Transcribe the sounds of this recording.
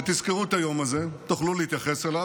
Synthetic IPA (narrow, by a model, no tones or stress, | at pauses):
t̪izkeʁuet̪ajo̞maze̞t̪uχlulehit̪jaχe̞sela